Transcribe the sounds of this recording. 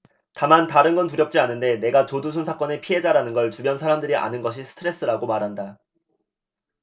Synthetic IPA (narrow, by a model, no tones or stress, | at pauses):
tamantaɾɯnɡʌntuɾjʌp̚t͡ɕ͈ianɯnde̞ne̞ɡat͡ɕodusʰunsʰak͈ʌne̞pʰiɦe̞d͡ʑaɾanɯnɡʌɭtubjʌnsʰaɾamdɯɾiʔa̰nɯnɡʌɕ̬ʰisʰɯ̥tʰɯɾe̞s͈ɯɾaɡomaɾɦanda